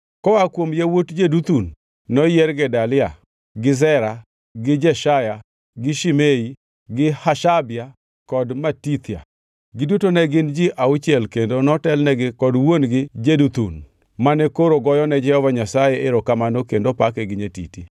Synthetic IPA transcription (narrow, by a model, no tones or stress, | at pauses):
kɔwakwomjewotd͡ʒedut̪unː | ɔjɛɾɡɛdalɪa | ɡɪzɛɾa | ɡɪd͡ʒɛʃaja | ɡɪʃimei | ɡɪhaʃabɪa | kɔdmatit̪ɪja̰ | ɡɪdutonɛɡɪnd͡ʒɪʔaut͡ʃjɛlkendonɔtɛlnɛɡɪkɔdwonɡɪd͡ʒedut̪un | manɛkoɾoɡɔjɔnɛd͡ʒɛhɔvaɲasajɛɪɾɔkamanokendopakɛɡɪɲetḭti